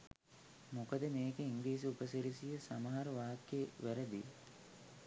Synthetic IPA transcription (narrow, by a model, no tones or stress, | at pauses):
mukəd̪əmeːkeiŋɡlliːs̬iupəsiɾisijəsaməɦaɾəʋaːkːeʋæɾəd̪i